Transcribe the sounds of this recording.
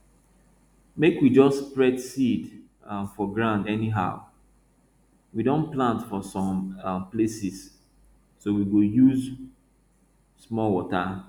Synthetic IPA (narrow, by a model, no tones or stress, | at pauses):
mekwid͡ʒɔstːpɹɛdsid | fɔɡɹãndɛniɦa̰ʊ | widõnplãntfɔsɔ̃mplesisː | owiɡojuz | smɔlwɔta